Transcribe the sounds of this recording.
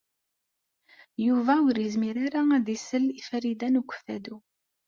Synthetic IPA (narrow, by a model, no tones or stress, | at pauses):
juvæʊɾizmiɾaɾaðisəlifæɾid̪ænukʷːə̥fθæd̪u